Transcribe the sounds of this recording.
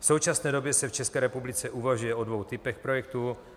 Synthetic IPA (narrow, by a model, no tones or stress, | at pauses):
fso̞wt͡ʃasnɛːdobjɛsɛft͡ʃɛskɛːɾɛpublɪt͡sɛʔuvaʒujɛʔodvo̞wt̪ɪpɛxpɾojɛk̚t̪u